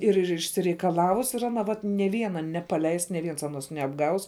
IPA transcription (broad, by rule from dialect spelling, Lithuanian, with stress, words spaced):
ɪr ɪr ɪʃʲsʲɪrʲɛɪkɐˈlˠɑːʋʊs ɪr ɐˈnɐ ˈʋɐt nʲeː ˈʋʲiɛnɐ nʲɛpɐˈlʲɛɪs nʲeː ˈʋʲiɛns ɐˈnoːs nʲɛɐbˈɡɐʊs